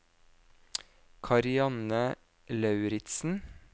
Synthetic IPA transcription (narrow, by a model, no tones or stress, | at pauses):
kʰɑɾɪɑnə | lɑʉɾɪt̪sn̩